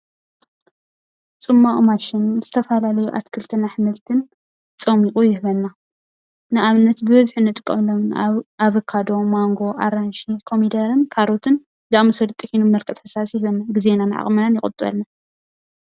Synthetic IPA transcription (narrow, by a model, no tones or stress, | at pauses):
t͡sʼɨmːaχʼmaʃɪnz̥ɨt̪ʰɐfɐlalɐjuʔa̰t̪kʰɨlt̪ʰɨnaħmɨlt̪ʰɨn | t͡sʼɐmikʼujɪhβɐnːa | nɨʔaβɨnːɐt̪bɨβɐzħɨnɨt̪ʼɨkʼːɐ̰mlːɐwɨnaβɨkʰːad̪o̞maŋɡo̞ʔa̰ɾanʃikʰomid̪ɐɾɨnkʰaɾot̪ʰɨn | d̪aʔmɐsɐd̪t̪ʼɨkʰinummɐlkʼɐt̪ħɨ̥sasjɪhβɐnːaɡizenanɨʕa̰χʼmɐnanjɪχʼɨ̰t̪ʼɨβɐ̰lːa